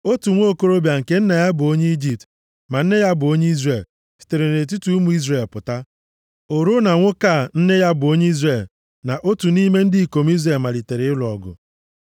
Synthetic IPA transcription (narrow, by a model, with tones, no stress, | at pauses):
o˦tu˨ŋʷo˦˨ko˦ɾo˦bja˨ŋ̩˨ke˦n̩˦ne˨ja˦bʊ˨o˦ɲe˦i˦d͡ʒi˨p̚t | ma˨n̩˦ne˦ja˦bʊ˨o˦ɲe˦i˦zre˨l | si̥˨te˨ɾe˨ne˨t̬u˦tu˦u˦mu˨˦i˦zre˨lpʊ˨ta˦ | o˨ɾu˦na˨ŋʷʊ˦ka˦˨n̩˦ne˦ja˦bʊ˨o˦ɲe˦i˦zre˦˨l | na˨ʔo˦tu˨ni˦me˦n̩˦dɪ˦i˨ko˨m˦i˦zɾe˨lma˨li˨te˨ɾɪ˦ɪ˦lɔ˨ɡʊ̰˨